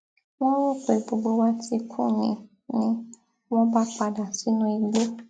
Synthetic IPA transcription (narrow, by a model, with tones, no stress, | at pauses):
w̃ɔ̃˦wũ˦˨k͡pe˨bo˨ɡ͡bo˦wa˦ti˧kʰṵ̃˦˨ɲĩ˨ | nĩ˦ | wɔ̃˦ba˦k͡pa˧da˨si˨˦nũ˧i˧ɡ͡be˦